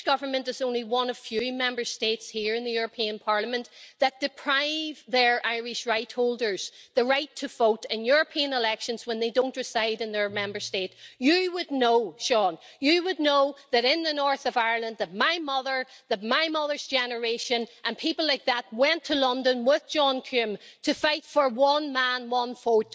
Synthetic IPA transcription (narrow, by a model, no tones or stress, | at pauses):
ɡ̥ʌvə˞mə̃ntɨzõʊ̃nliwʌ̃nʌv̥fjʉmɛ̃mbə˞stetshiɹɨ̃nðɨjʊɹəpʰĩə̃npʰaɹlˠəmə̃nʔðət̚d̥ɨpʰɹ̥aɪvðə˞ʔaɪɹɪʃɹaɪt̚holˠdə˞z̥ðəɹaɪtʰəvoʊɾɪ̃njʊɹəpʰĩə̃nɪlɛkʃə̃nz̥wə̃nðeɪdõʊ̃nʔɹ̥ɪsaɪɾɨ̃nðə˞mɛ̃mbə˞stetjɨwədⁿnoʊʃɔ̃n | jɨwədⁿnoʊðɨɾɪ̃nðɨnɔɹθʌvaɪə˞lˠə̃nðət̚maɪmʌðə˞ðət̚maɪmʌðə˞z̥d͡ʒɛnə˞eʃə̃nʔə̃npʰipl̩ˠlaɪk̚ðət̚wɛ̃ntʰəlʌ̃ndə̃nwɪðd͡ʒɔ̃nkʰʉ̃mtʰɨfaɪtfə˞wʌ̃nmãnwʌ̃nfot